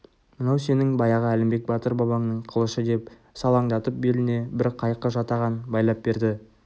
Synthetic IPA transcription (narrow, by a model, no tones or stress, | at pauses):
mənɑwse̞nɪŋbɑjɑʁəælɪmbe̞k̚bɑt̪əɾbɑbɑŋnəɴqʰəlˠəʃəd̪e̞p | sɑlˠɑŋd̪ɑt̪əp̚be̞lɪne̞bɪɾqʰɑjqəʒɑt̪ɑʁɑnbɑjlˠɑp̚be̞ɾd̪ɪ